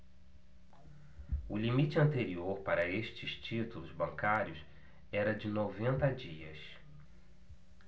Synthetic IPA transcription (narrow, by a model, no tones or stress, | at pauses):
ʊlimit͡ʃɪɐ̃nt̪eɾioɾpaɾɐeʃt͡ʃɪst͡ʃit̪ulʊzbɐ̃ŋkaɾjʊs | ɛɾɐd͡ʒɪnovẽnt̪ɐd͡ʒiɐ̰s